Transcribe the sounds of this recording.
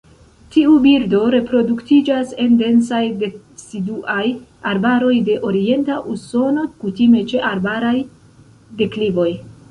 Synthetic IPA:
tiubiɾdo̞ɾe̞pɾo̞duktid͡ʒase̞nde̞nsajde | siduʔajaɾbaɾo̞jde̞ʔo̞ɾie̞ntaʔuso̞no̞kutime̞t͡ʃe̞ʔaɾbaɾaj | de̞klivo̞j

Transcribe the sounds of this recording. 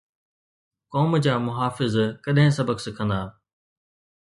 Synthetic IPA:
kɔːmd͡ʑaːmʊɦaːfɪzkɐɗɦɪ̃sɐbəksɐkʰə̃nd̪aː

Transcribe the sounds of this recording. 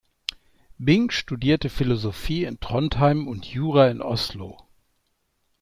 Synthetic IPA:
bɪŋʃtudiːɐtəfɪlozofiːɪntʁ̥ɔnthaɪmʊntʰjuːʁaɪnʔɔ̰slo̰

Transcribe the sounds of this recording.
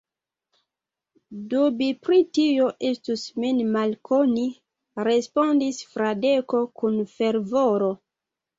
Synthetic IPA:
dubipɾitio̞ʔestusminmalkʰoni | ɾe̞spo̞ndisfɾade̞ko̞kunfe̞ɾvoɾo̞

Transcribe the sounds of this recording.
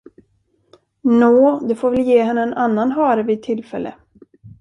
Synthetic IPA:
noːd̪ɵfoːɾvɛljeːɦɛnːəɛnʔanːanɦɑːɾəvɪt̪ʰːɪlːfɛlːə̰

